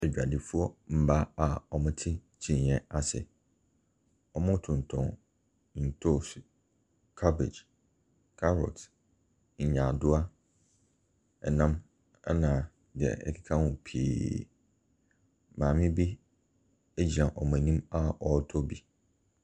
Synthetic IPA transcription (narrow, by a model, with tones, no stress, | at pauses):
ɛ˨d͡ʑᶣa˨dɪ˨fu˦ɔ˦m̩˨ba˦a˨ɔ˨mʊ̃˦tʰɪ˦t͡ɕʰĩ˨ɲjɛ̃˦a˨sɛ̰˨ | ɔ˨mʊ̃˦tʰʊ̃˨n˨tʰɔ̰̃˨ŋ | n̩˨tʰo˦˨su˨ | kʰa˦bɪ̰˨d͡ʑ | kʰa˦ɾɔ̰˨t | ɲ̩˨ɲã˨dʊ˦a˦ | ɛ˨nã˦m | ɛ˦nã˨ | dɪ˨ɛ̰˨ɛ̰˨kʰɪ̥˦kʰa˦wʊ̃˨pʰḛ˨ | mãː˨mɪ̃˦bi˦ | e˦d͡ʑi˨ã˨ʔɔ˨mã˨nĩ˦ma˦ɔ˨˦tʰɔ˦bi˨